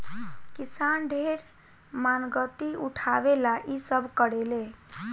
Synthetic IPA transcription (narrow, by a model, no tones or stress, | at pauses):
kisanɖʱeɾ | manɡət̪iuʈʰabelaʔisəbʱkəɽele